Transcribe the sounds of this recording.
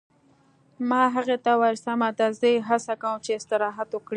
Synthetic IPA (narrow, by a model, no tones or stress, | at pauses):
mɑɦaɣet̪awaɾsamad̪azəjɦasakawumt͡ʃeɪst̪ɪɾɑɦat̪okɽi